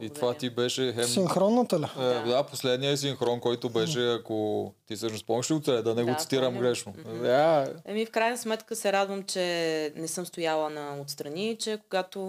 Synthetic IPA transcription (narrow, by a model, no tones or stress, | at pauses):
it̪ovat̪ibɛʃɛxɛinxɾɔnːət̪ɐlɛd̪aposlɛd̪nijəɛs̬iŋxɾɔnkɔjt̪obɛʃʃɛɐkot̪isɤʃnospɔmiʃiot̪sɛlɛd̪ɐnɛɡot̪i̥t̪iɾəmɡɾɛʃnoaɐmifkɾajnəsmɛt̪kəsɛɾad̪vəmt͡ʃɛnɛsɤmst̪ʊjalˠənɐot̪st̪ɾɐnit͡ʃɛkoɡat̪o